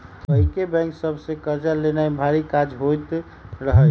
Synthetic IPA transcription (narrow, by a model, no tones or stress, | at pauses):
əɦikebɛ̃ŋksəbʱsẽkəɾd͡ʒalenaẽbʱaɾikad͡ʒɦojt̪ | ɾəɦəl